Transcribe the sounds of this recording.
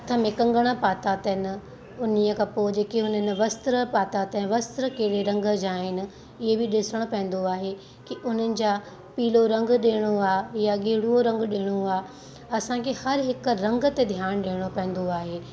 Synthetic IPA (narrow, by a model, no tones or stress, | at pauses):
ɐt̪ʰəmẽkɐ̃ŋɡəɽ̃əpaːt̪at̪ɐɦɪnɪ̆ | ʊniəkʰãːpoːd͡ʑeːkiɦʊnənɪ̆ʋɐst̪ɾəpaːt̪at̪ɐ̃ʋɐst̪ɾəkeːɽeɾɐ̃ŋɡd͡ʑaːɦɪnɪ̆ | ɪɦebɪɗɪsəɽ̃opɐ̃ɦɪ̃n̆d̪oaːɦe | kiʊn̤ənɪ̆d͡ʑaː | piːloɾɐ̃ŋɡɗeːɽ̃oaːjaɡeːɽuoɾɐ̃ŋɡɗeːɽ̃oaː | ɐsãkʰehɐɾɦɪk̆ɾɐ̃ŋɡət̪ed̪ʱjaːɽ̃ɗeːɽ̃opɐ̃ɦɪ̃nd̪oaːɦeː